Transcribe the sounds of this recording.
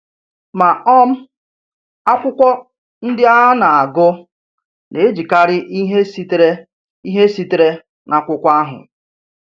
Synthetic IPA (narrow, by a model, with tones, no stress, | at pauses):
ma˨ɔ˦m̩˦ | a˦kʷʊ˦kʷɔ˦ | n̩˦dɪ˦a˦ɦa˦na˨a˨ɡʊ˦ | ne˨e˦d͡ʒi˨ka˦ɾɪ˦ʔi˦ɦe˦stɾ | i˦ɦe˦si˦tɾe˦ | na˨kʷʊ˦kʷa˦ɦʊ̰˨